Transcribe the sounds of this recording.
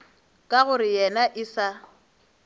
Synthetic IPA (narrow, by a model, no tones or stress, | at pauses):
kʼaɣʊɾɪjɛnaʔɪsa